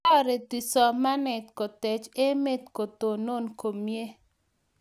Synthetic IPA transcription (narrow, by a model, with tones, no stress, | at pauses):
ɔ˦ɾe˨t̪i˨sɔ˨ma˦nɛ˨t̪̚kɔ˨t̪e˨t͡ʃe˦me˦t̪ko˨t̪o˨no˦nko˨mje˦